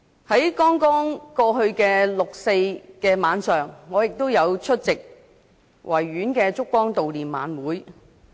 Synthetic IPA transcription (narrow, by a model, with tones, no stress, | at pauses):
hɐ˨˥jkɔː˥ŋkɔː˥ŋkɔː˧hɵ˧ɥkɛː˧lʊ˨k̚se˧jkɛː˧maː˨˧nsœː˨ŋːɔː˨˧jɪ˨k̚t̪o˥wjɐ˨˧wt͡ʃʰɵ˥t̚t͡sɪ˨k̚ | wʔɐ˨˩jːyː˨˥nkɛː˧t͡sʊ˥kːɔː˥ŋt̪o˨wliː˨˩nma̰ː˨˧nwuː˨˥j